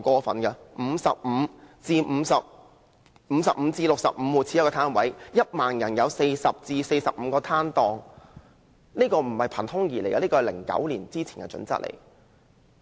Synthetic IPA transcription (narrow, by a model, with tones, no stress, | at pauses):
kɔː˧fɐ̰˨nkɐ˧m̩ː˨˧˥sɐ˨p̚m̩˨˧t͡siː˧m̩˨˧sɐ˨p̚ | m̩ː˨˧sɐ˨p̚m̩˨˧t͡siː˧lʊ˨k̚sɐ̰˨p̚m̩ː˨˧wuː˨˩t͡sʰiː˧˥kɔ˧t̪ʰaː˥nwɐ˨˥jjɐ˥t̚maː˨njɐ˨˩njɐ˨˧wse˧jsɐ˨p̚t͡siː˧se˧jsɐ˨p̚m̩˨˧kɔː˧t̪ʰaː˥nt̪ɔː˧ŋ | niː˥kɔː˧m̩˨˩hɐ˨jpʰɐ˨˩nt̪ʰʊ˥ŋjiː˨˩le˨˩ka˧liː˥kɔː˧hjlɪ̰˨˩ŋkɐ̰˨˥wliː˨˩nt͡siː˥t͡sʰiː˨˩nkɐ̰˧t͡ʃɵ̰˨˥nt͡sɐ̰˥t̚lḛ˨˩j